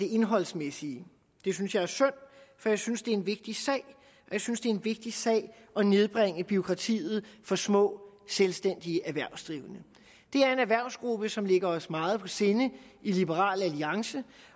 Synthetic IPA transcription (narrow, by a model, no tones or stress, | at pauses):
d̥e̝e̝nɦɒ̽l̰smesiə | d̥e̝synsjɑ̈ɪæɐsœn̰fɒ̽jɑ̈ɪsynsd̥e̝æe̝nʋe̝ɡ̥̚d̥isɛ̰ɪ | ɒ̽jɪsynsd̥e̝æenʋe̝ɡ̥̚d̥isɛ̰ɪ | ɒ̽ne̝ð̞ˠb̥ʁeŋ̰əb̥yo̝kʰʁɑ̈t͡sʰḭːð̞̩ˠfɒ̽smɔ̰̽ːselsd̥en̰d̥iəʔæʋæɐ̰ʊsd̥ʁiːʊənə | d̥e̝æɐe̝næʋæɐ̰ʊsɡ̥ʁub̥əsɒ̽mle̝ɡ̥ɐɒ̽smɑ̈ːð̞̩ˠpʰɒ̽se̝ːnəilib̥əʁɑ̰̈ːlæliɑ̈ŋsə